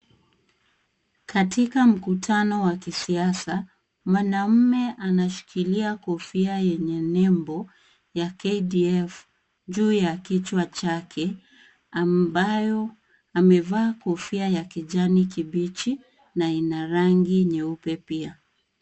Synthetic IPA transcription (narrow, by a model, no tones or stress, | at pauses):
katikam̩kutʰanɔwakisiasa | mwanam̩mɛʔanaʃi̥kʰiliakɔfiajɛɲɛnɛmbɔ | jakɛdiɛf | ʄuːjakit͡ʃwat͡ʃakʰɛ | ambajɔ | amɛvaːkɔfiajakiʄanikiɓit͡ʃi | nainaɾaŋɡiɲɛupɛpia